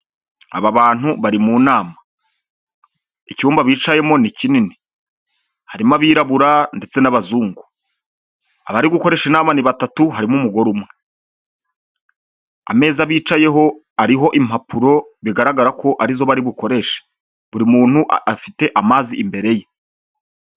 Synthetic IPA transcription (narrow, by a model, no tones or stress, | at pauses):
a̰βaβaːn̥huβaɾimunaːma | icuːmbaβiːt͡ʃaje̞mo̞nicinini | haɾimaβiːɾaβuɾande̞t͡se̞naβazuːŋɡu | aβaɾiɡuko̞ɾe̞ʃinaːmaniβatatuɦaɾimumuɡo̞ɾumŋe | a̰me̞ːzaβiːt͡ʃaje̞ɦo̞ | aɾiɦo̞ʔim̥hapʰuɾo̞βiɡaɾaɡaɾakʰo̞ʔaɾizo̞βaɾiβuko̞ɾe̞ʃe̥ | βuɾimuːnhuʔafite̞ʔamaːziʔːmbe̞ɾe̞je